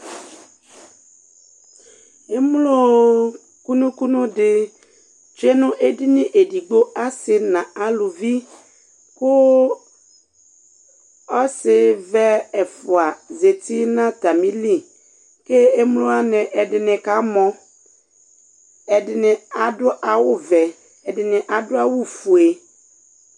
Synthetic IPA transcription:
e˦m˦lo˦ | ku˦nũ˦ku˦nʊ̃˦dɪ˦ | t͡ʃe˦nʊ̃˦ʔe˦dɪ˦nɪ̃˦ʔe˨di˨ɡ͡bo˦ʔa˦sɪ˨nã˨a˨lʊ˨vi˦ | kʊ˦ | ɔ˦sɪ˦vɛ˦ɛ˨fʊ˨a˨ze˨tɪ˦nã˦ta˨mĩ˦li˦ | ke˦e˦m˦lʊ˦a˦nɪ̃˨ʔɛ˨dɪ˨nɪ̃˨ka˦mɔ̃˦ | ɛ˨dɪ˨nɪ̃˨a˨dʊ˦ʔa˨wʊ˦vɛ˨ | ɛ˨dɪ˨nɪ̃˨ʔa˨dʊ˦a˦wʊ˦fu˨e˨

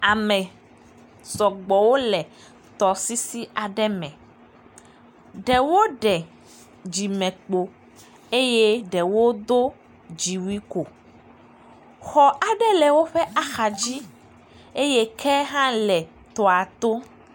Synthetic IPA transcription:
a˨mɛ̃˨ | sɔ˨ɡ͡bɔ˨wo˦lɛ˨ | t̪ɔ˨si˦si˦a˨ɖɛ˦mɛ̃˨ | ɖɛ˨wo˦ɖɛ˨ | d͡ʒi˨mɛ̃˨k͡po˨ | e˦je˦ɖɛ˨wo˦d̪o˦ | d͡ʒi˨wi˦ko˨ | xɔ˨a˨ɖɛ˦lɛ˨wo˦ɸɛ˦a˦xa˨d͡ʑi˦ | e˦je˦kʰɛ˦ɦã˦lɛ˨ | t̪ɔ˨a˨t̪o˦

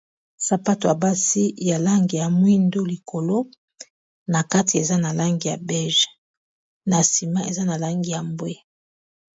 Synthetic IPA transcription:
sa˨pa˦to˨a˨ba˦si˦ja˨la˦ŋɡi˨ja˨mwi˦ndo˦li˨ko˨lo˦ | na˨ka˦ti˨e˨za˦na˨la˦ŋɡi˨ja˨bɛ˦ʒ | na˨si˨ma˦ʔe˨za˦na˨la˦ŋɡi˨ja˨mbwe˦

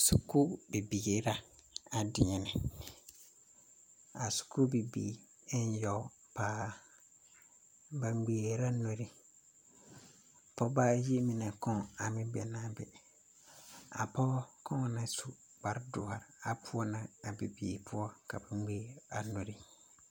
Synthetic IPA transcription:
su˨ku˦bi˨bi˨ɡi˨ɾa˦a˨dɪ˨ɲɛ˨nɪ̃˨ | a˨su̥˨ku˦bi˨bḭː˨ | ɪ˦n˦jɔ˨˦ | paː˨˦ | ba˨ŋ͡mɡ͡beː˨˦ɾa˦no˦ɾi˦ | pʰɔ˦baː˦ji˦mĩ˨nɛ̃˨kɔ̃˦a˨mɪ̃˦bɛ˨nã˦bɛ̰˨ | a̰˨pɔ˦kʰɔ̃˦˨nã˦su˨ | ba˨ɾdʊ̰˨ha˨ɾa˨pʰʊ˦ɔ˦nã˦a˨bi˨biː˨pʰʊ˦ɔ˦ka̰˨ba˨ŋ͡mɡ͡beː˦a˨no˨ɾi˦

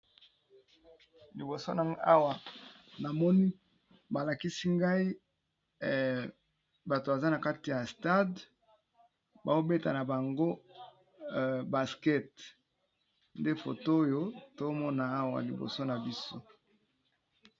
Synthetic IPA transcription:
li˨bo˨so˦na˨a˦wa˨na˨mɔ˦ni˦ | ba˨la˨ki˦si˦ŋɡa˦i˦ | ba˨to˨ba˨za˦na˨ka˦ti˨ja˨sta˦d | ba˨o˦be˦ta̰˨na˨ba˨ŋɡo˦˨ | ba˨skɛ˦t | nde˦fo̰˨to˦jo˦to˦mɔ˦na˨˦wa̰˨li˨bo̰˨so˦na˨bi˦so˦

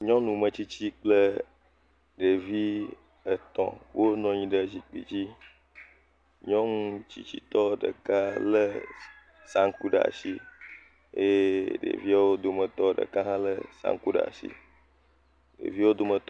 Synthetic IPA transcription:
ɲɔ̃˦nũ˨mə̃˨t͡ɕi˦t͡ɕi˦k͡plə˦ | ɖe˨vi˦ | ə˨t̪ɔ̰̃˨wʔo˦nɔ̃˦ɲĩ˦ɖə˨d͡ʑi˨k͡pḭ˨d͡ʑi˦ | ɲɔ̃˦ŋ̃ũ˦t͡ɕḭ˦t͡ɕḭ˦t̪ɔ˦ɖə̰˨ka˦lə˦ | sã˦ŋ˦ku˦ɖə˨a̰˨si˦ | e˦ɖḛ˨vi˦a˦wo˦d̪o˨mə̃˨t̪ɔ˦ɖə̰˨ka˦ɦã˦lə˦sã̰˦ŋ˦ku˦ɖ̰a̰˨sḭ˦ | ɖḛ˨vi˦wo˦d̪o˦mə̃˨t̪ɔ˦

